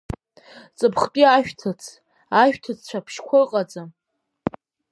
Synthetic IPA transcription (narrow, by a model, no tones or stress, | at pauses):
t͡sʼɨpʰχt͡pʼiaʃᶣtʰɨt͡sʰ | aʃᶣtʰɨt͡sʰt͡ɕʷʰapʰʃkʷʰʊqʼad͡za